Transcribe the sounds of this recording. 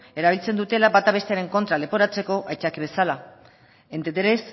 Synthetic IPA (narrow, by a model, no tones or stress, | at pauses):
e̞ɾaβilt͡se̞nd̪ut̪e̞laβat̪aβ̞e̞st̪e̞aɾe̞ŋko̞nt̪ɾale̞po̞ɾat͡se̞ko̞ʔajt͡ʃakiβe̞sala | e̞nt̪et̪eɾes